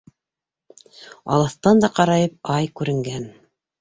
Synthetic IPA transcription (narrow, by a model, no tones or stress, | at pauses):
ɑ̰lˠɤθt̪ɑnd̪ɑqɑɾɑjɤp̚ɑjkʉɾɘ̆ŋɡæn